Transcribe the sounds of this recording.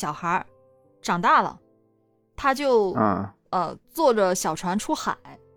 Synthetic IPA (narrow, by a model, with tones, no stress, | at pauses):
ɕjɑ˨˩ʊxə˧˥ | ʈ͡ʂɑ˨˩ŋt̪a˥˩lə̰˩ | t̪ʰa˥t͡ɕjo˥˧ʊ˥˧ | ə˧t͡swɔ˥˩ʈ͡ʂə˨˩ɕjɑ˨˩ʊʈ͡ʂʰwa˧˥nʈ͡ʂʰu˥xa̰˨˩˦ɪ